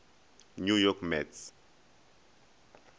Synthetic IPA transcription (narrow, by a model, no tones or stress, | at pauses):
nujɔkmɛts